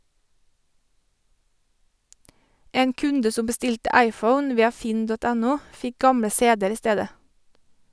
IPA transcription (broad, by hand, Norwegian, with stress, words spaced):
ˈeːn ˈkʉndə ˈsʊm bəˈstɪltə ˈæɪˌfəʊn ˈʋiːɑ ˈfɪn ˈdɔt ˈænʊ ˈfɪk ˈɡɑmɽə ˈseːdəɾ ˈiː ˈsteːdə